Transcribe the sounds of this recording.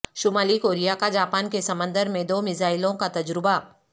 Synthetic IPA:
ʃʊmaːlikoːɾijakad͡ʒaːpaːnkesɐmə̃nd̪əɾmẽd̪oːmɪzaːɪlõkat̪ɐd͡ʒɾɪba

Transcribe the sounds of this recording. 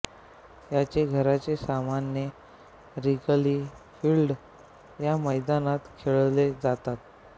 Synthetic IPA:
jat͡ɕeɡʱəɾat͡ɕesamanjə | ɾikliː | fiːlɖ | jaməjd̪anat̪kʰeɭled͡zat̪at̪̚

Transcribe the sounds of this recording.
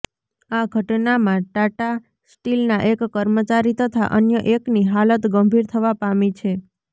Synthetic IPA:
aɡʱəʈnamãʈaʈa | sʈilnaʔekːəɾmət͡ʃaɾit̪ət̪ʰa̰ʔənjəʔekniɦalət̪ɡəmbʱiɾt̪ʰəʋapamit͡ʃʰe

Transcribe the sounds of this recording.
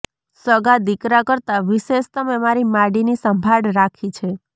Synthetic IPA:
səɡad̪ikɾakəɾt̪aʋiʃeʃt̪əmemaɾimaɽinisəmbʱaɽɾakʰit͡ʃʰe

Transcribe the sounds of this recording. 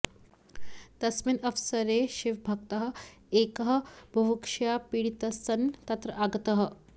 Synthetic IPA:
t̪ɐsminɐfsəɾeʃiʋbʱɐkt̪əɦə̆ | ekəɦəbʱɐʋukʂjapiɽit̪ɐsɐnt̪ɐt̪ɾɐʔaɡt̪əɦə̆

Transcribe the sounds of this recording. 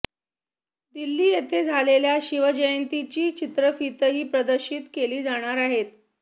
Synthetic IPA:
d̪ilːiːjet̪ʰed͡zʱaleljaɕiʋəd͡ʑəjənt̪it͡ɕiːt͡ɕit̪ɾəfit̪əɦiːpɾəd̪əɾɕiːt̪keliːd͡zaɽ̃aɾaɦet̪̚

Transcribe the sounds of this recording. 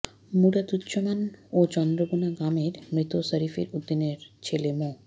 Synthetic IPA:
muɽat̪ut̪ːɕomanot͡ɕɔnd̪ɾobunaɡameɾmɾit̪osəɾifḛɾud̪ːineɾt͡ɕʰelemo

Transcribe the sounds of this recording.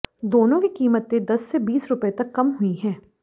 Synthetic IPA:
d̪oːnõkikiːmət̪ːẽd̪ɐsːebiːsɾʊpet̪ɐkːɐmɦʊiɦɛ̃ː

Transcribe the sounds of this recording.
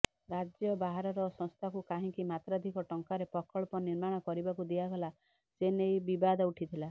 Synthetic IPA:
ɾad͡ʒjɔbaɦaɾɔɾɔsɔ̃ŋst̪ʰakukaɦĩkimat̪ɾad̪ʱikɔʈɔŋkaɾepɔkʰɔɭɔpɔniɾmaɽ̃ɔkɔɾibakud̪iaɡɔla | d͡ʒenejbibad̪ɔuʈʰit̪ʰila

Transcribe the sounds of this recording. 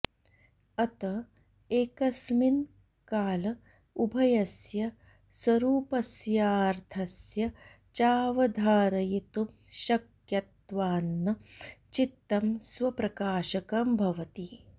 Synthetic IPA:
ɐt̪ɐ | eːkɐsmin | kaːlɐ | ubʱɐjɐsjɐ | swɐɾuːpɐsjaːɾt̪ʰɐsjɐ | t͡ʃaːʋɐd̪ʱaːɾɐjit̪u | ʃɐk | jɐt̪ʋaːnːɐt͡ʃit̪ːɐmsʋɐpɾɐkaːʃɐkɐmbʱɐʋɐt̪i

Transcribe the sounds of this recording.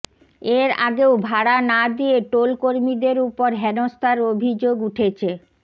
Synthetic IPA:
eɾa̰ɡeobʱaɽanad̪ieʈolkoɾmid̪eɾupoɾɦɛnost̪ʰaɾobʱid͡ʑoɡuʈʰet͡ɕʰe

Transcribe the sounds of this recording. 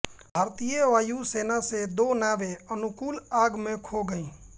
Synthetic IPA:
ɦəɾt̪ijeʋaːjuseːnased̪oːnaːʋeənʊkuːlaːɡmẽkʰoɡəĩː

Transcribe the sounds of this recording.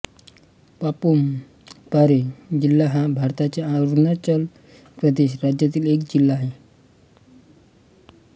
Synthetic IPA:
papum | paɾed͡ʑilːaɦãbʱaɾt̪at͡ɕeaod̪nat͡ɕəl | pɾəd̪eɕɾad͡ʑjat̪̬iːlekd͡ʑilːaːɦe

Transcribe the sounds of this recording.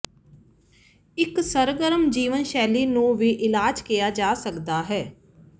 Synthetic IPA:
ɪksəɾɡəɾəmd͡ʒiːʋənʃɛːliːnũːʋiːʔɪlaːd͡ʒkijaːd͡ʒaːsəkd̪aːɦɛː

